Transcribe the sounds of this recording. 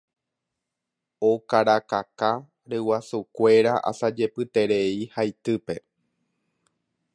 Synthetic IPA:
okaɾakaka | ɾewasukʷe̞ɾaʔa̰sad͡ʒe̞pɨt̪e̞ɾe̞ihajt̪ɨpe̞

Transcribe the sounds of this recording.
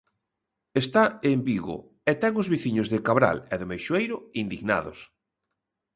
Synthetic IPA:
est̪aembiɣʊ̰ | ɛt̪ɛŋʊzβiθiɲʊzðɪkaβɾa̰lɛðɪmejʃwejɾʊind̪iɣna̰ðʊ̰s

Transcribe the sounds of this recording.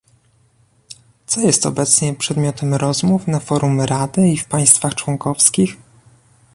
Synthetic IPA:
t̪sɔjɛst̪ɔ̰bɛt̪sɲɛpʂɛd̪mʲjɔt̪ɛmɾɔzmufnafɔɾumɾad̪ɘifpaj̃st̪faxt͡ʂwɔŋkɔfskʲix

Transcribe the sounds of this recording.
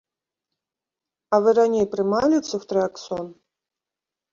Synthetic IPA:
ɐvɨɾanʲejpɾɨmalʲit̪suxt̪ɾɨaksɔn

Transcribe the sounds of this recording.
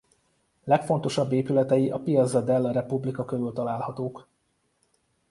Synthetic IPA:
lɛkfo̞nt̪o̞ʃɒbːeːpylɛt̪ɛjiʔɒpijɒd̪zɒd̪ɛlːɒɾɛpublikɒkøɾylt̪ɒlaːlhɒt̪oːk

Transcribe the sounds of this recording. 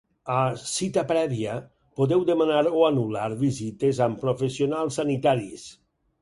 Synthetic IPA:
asit̪apɾɛβiə | poðɛwd̪emanaɾoanulaɾβizit̪ezampɾofesionalˠsːanit̪aɾḭs

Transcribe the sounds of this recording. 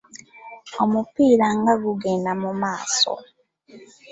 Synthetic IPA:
omupiːɾaŋɡaɡuɡenamumaːso̰

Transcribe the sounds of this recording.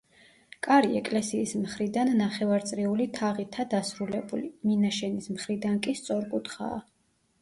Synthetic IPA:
kʼaɾiɛkʼlɛsiːsmχɾid̪anːaχɛvaɾt̪sʼɾɛulit̪ʰaʁit̪ʰad̪asɾulɛbuliminaʃɛnismχɾid̪ankʼist̪sʼɔɾkʼut̪ʰχa̰ː

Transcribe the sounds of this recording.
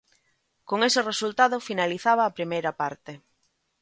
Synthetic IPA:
koŋesɪresult̪aðʊfinaliθaβɐːpɾimejɾɐpaɾt̪e

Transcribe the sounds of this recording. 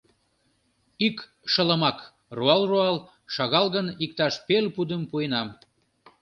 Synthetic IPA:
ik | ʃələmɑk | ruɑlruɑl | ʃɑɣɑlɣənikt̪ɑʃpelpud̪əmpuenɑm

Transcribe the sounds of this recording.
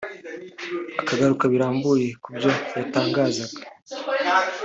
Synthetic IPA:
akaɡaɾukaβiɾaːmbuje̞kubjo̞jataːŋɡaːzaɡḁ

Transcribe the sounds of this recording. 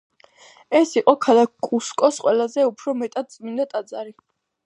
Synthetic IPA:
ɛsiqʼɔkʰalˠak̚kʼuskʼɔsqʼwɛlˠazɛupʰɾɔmɛt̪ʼad̪̚t̪sʼmind̪at̪ʼad̪zaɾi

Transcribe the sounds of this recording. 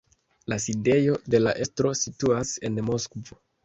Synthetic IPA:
laside̞jo̞de̞laʔe̞stɾo̞situase̞nmo̞skvo̞

